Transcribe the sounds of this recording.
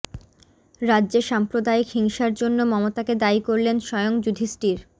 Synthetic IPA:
ɾadːʑeʃampɾod̪aikhiŋʃaɾd͡ʑonːomɔmot̪aked̪aikoɾlenʃɔeoŋd͡ʑud̪ʱisʈiɾ

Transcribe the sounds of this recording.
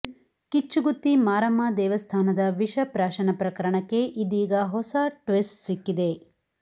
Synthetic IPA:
kit͡ʃːuɡut̪ːimaːɾɐmaːd̪ɛːʋɐst̪ʰaːnɐd̪ɐʋiʂɐpɾaːʃɐnɐpɾɐkɐɾɐɳɐkːe̞ʔid̪iːɡɐɦɔsɐʈʋisʈsikːid̪e̞

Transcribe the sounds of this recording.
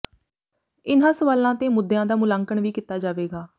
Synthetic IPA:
ɪnãːsəʋaːlãːt̪eːmʊd̪ːejãːd̪aːmʊlãːŋkəɳʋiːkɪt̪ːaːd͡ʒaːʋeːɡaː

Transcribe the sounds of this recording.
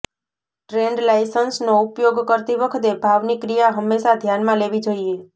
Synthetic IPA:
ʈɾeɳɖlajsənsnoupjoɡkəɾt̪iʋəkʰət̪ebʱaʋnikɾijaɦəmːeʃad̪ʱjanmãleʋid͡ʒoie

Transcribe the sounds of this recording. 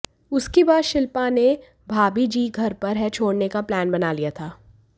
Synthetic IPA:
ʊskebaːd̪ʃɪlpane | bʱaːbid͡ʒiːɡʱɐɾpɐɾɦɛt͡ʃʰoːɽnekaplɛːnbɐnaːlijat̪ʰaː

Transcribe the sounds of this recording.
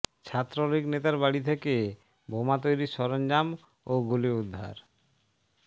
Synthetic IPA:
t͡ɕʰat̪ːɾoloiknet̪aɾbaɽit̪ʰeke | bomat̪̬ojɾiʃɔɾond͡ʑam | oɡuliud̪ʱːa̰ɾ

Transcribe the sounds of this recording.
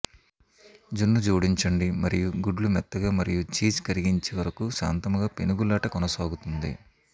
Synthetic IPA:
d͡ʒunːud͡ʒuːɽiɲt͡ʃɐɳɖimɐɾijuɡuɖlumɛt̪ːɐɡaːmɐɾijut͡ʃiːt͡ʃkɐɾiɡiɲt͡ʃeːʋɐɾɐkuʃa̰ːnt̪ɐmɐɡaːpenuɡulːaːʈɐkɔnɐsaːɡut̪und̪ḭ

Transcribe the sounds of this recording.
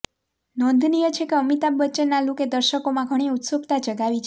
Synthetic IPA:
nɔ̃nd̪ʱnijət͡ʃʰekeəmit̪abːətːt͡ʃenaluked̪əɾʃəkomãɡʱəɽ̃iut̪səkt̪ad͡ʒəɡaʋit͡ʃʰe

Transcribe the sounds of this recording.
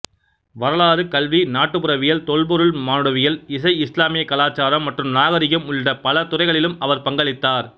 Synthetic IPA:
ʋɐɾɐɭaːɾɯkɐlʋinaːʈːɯpʊɾɐʋɪjɐlt̪ɔɭbɔɾɯɭmaːnɯɽɐʋɪjɐlɪs̬ɐɪɪslaːmɪjɐkːɐlaːt͡ʃːaːɾɐmːɐʈrɯmnaːɣɐɾɪɣɐmʊɭɖɐpɐlɐt̪ʊɾɐɪɣɐɭɪlɯmɐʋɐɾpɐŋɡɐɭɪt̪ːaːɾ

